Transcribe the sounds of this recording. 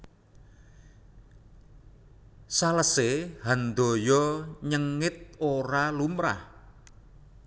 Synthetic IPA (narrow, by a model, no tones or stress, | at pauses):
saləsehand̪ɔ̤jɔɲəŋɪt̪̚oɾalumɾa̰h